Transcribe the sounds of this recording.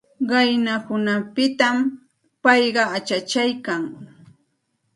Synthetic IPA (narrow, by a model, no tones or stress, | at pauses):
ɢɑjnakʊnapɪt̪am | pɑjɢɑat͡ʃat͡ʃajkaŋ